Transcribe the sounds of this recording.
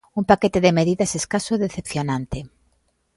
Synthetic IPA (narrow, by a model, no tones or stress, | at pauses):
umpaket̪eðemeðiðaseskasoðeθepθjonãnt̪e